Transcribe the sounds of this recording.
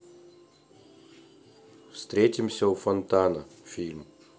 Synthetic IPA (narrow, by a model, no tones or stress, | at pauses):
fst̪ɾʲet̪ʲɪmsʲɐufɐnt̪anɐfʲilʲm